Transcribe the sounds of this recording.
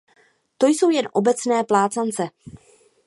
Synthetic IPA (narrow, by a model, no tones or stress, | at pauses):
t̪o̞jso̞wjɛnʔo̞bɛt͡snɛːplaːt͡sant͡sɛ